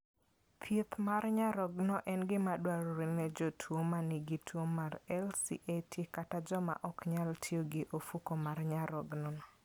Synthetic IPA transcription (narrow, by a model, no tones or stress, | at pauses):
pʰjet̪marɲaɾɔɡnɔʔɛnɡɪmadwaɾoɾɪnɛd͡ʒɔtʰwomaniɡɪtʰwomarɛlsḭʔetʰikatad͡ʒɔma̰ʔɔkɲaltʰjoɡɪʔofukomarɲaɾɔɡnɔnɔ